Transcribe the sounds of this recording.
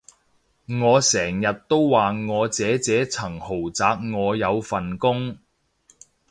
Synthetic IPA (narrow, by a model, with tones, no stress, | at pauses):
ŋɔː˨˧sɛː˨˩ŋjɐ˨t̚t̪o˥wwaː˨ŋɔː˨˧t͡sɛː˨˥t͡sɛː˨˥t͡sʰɐ˨˩ŋho˨˩wt͡saː˧k̚ŋɔː˨˧jɐ˨˧wfɐ˨nkʊ˥ŋ